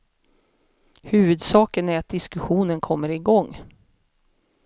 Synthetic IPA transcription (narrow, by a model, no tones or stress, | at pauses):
hʉ̟ːvɵd̪sɑːkənæɾat̪̚d̪ɪskɵɧuːnənkʰɔmːəɾɪɡɔŋː